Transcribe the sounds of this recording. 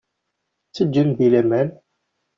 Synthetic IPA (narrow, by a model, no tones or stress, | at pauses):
t͡sːəd͡ʒːənðilæmæn